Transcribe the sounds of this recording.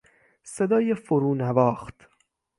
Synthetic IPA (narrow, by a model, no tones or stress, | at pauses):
se̞d̪ɒːjefoɾuːnævɒːxt̪